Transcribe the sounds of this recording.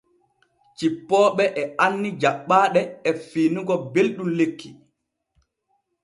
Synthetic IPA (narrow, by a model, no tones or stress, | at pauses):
t͡ʃipːɔːɓɛʔɛanːid͡ʒaɓːaːɗɛɛfiːnuɡɔbelɗumlekːi